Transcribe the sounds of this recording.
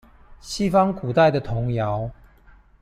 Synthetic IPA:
ɕi˥fɑ˥˦ŋku˨˩t̪a˥˩ɪd̪ə˨t̪ʰʊ˨˧˦ŋja˨˦ʊ

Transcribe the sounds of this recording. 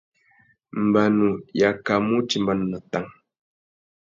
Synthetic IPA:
mbanu˨jaka˨mu˦t͡ʃi˨mba˨nu˨na˨t̪a˨ŋ

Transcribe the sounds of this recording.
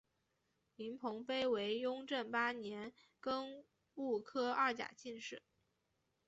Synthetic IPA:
li˧˥npʰʊ˧˥ŋpe˥ɪwe˧˥ɪjʊ˥ŋʈ͡ʂə˥˩npa˥njɛ˧˥n | kə˥n | u˥˩kʰɤ˥ɐ˥˩t͡ɕja̰˨˩t͡ɕi˥˧nʂɻ̩˥˩˦

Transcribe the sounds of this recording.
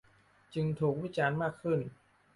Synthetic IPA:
t͡ɕɯ˧ŋt̪ʰuː˨˩k̚wi˦˥t͡ɕaː˧nmaː˥˩kʰːɯ˥˩n

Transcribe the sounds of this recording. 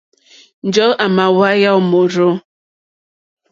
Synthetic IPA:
n̩˦d͡ʒɔ˨˦ʔa˨ma˨wa˦ja˦wmo˨ɾo˦

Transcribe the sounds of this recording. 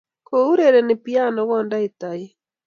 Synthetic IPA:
kou˦ɾeɾɛnepi˦a˦nɔ˨ɣɔnda˦e˨ta˨i

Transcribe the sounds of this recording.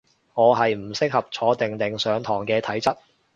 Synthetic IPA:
ŋɔː˨˧ɦɐ˨jm̩˨˩sɪ˥k̚hɐ˨p̚t͡ʃʰɔː˨˧t̪ɪ˨˩ŋt̪ɪ˨ŋsœː˨˧ŋt̪ʰɔː˨˩ŋkɛː˧t̪ʰɐ˨˥jt͡sɐ˥t̚

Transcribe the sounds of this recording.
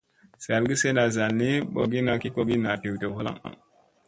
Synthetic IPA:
sa˨lɡi˦se˦na˨za˨lni˦ɓo˨ɡi˦na˨ki˦ko˨ɡi˦na˨te˨wte˨wha˦la̰˦ŋa̰˨ŋ

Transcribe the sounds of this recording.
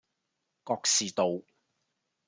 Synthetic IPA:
kɔː˧k̚siː˨t̪o˨w

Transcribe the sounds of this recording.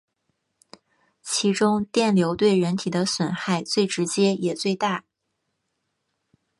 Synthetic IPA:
t͡ɕʰi˧˥ʈ͡ʂʊ˥ŋt̪jɛ˥˩nljo˧˥ʊt̪we˥˩ɪɻə˧˥nt̪ʰi˨˩d̪ə˦swə˨˩nxa˥˧ɪt͡swe˥˩ɪʈ͡ʂɻ̩˧˥t͡ɕjɛ˥jɛ˨˩t͡swe˥˧ɪt̪a˥˩

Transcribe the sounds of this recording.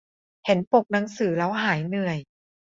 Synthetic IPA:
he˩˦npo˨˩k̚na˩˦ŋsɯː˨˩˦laː˦˥wɦaː˩˦jnɯ˨˩əj

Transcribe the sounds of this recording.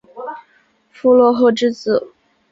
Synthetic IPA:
fu˥lwɔ˥˧xo˥˧ʊʈ͡ʂɻ̩˥t͡sɹ̩˥˩

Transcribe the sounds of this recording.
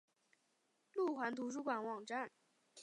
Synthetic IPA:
lu˥˩xwa˧˥nt̪ʰu˧˥ʂ̬u˥kwa˨˩nwɑ˨˩ŋʈ͡ʂa˥˩n

